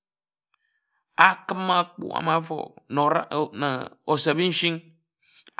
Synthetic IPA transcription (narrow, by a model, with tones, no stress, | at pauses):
a˦kɨ˦mːa˦k͡pṵ˦˨a̰˨ma˦fɔ̰˨no˨ɾa˦˨na̰˨o˨sa˨bi˦n̩˦ʃi˦ŋ